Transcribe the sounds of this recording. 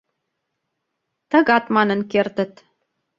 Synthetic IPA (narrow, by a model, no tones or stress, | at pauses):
t̪ə̆ɣɑt̪mɑnə̆nkert̪ə̆t̪